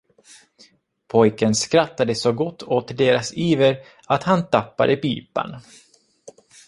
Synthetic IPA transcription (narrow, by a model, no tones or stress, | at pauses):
pʰɔjkənskɾat̪ːad̪əsɔɡɔt̪ʰːoːt̪əɖeːɾasiːvəɾ | at̪hant̪ʰapːa̰d̪əpiːpa̰n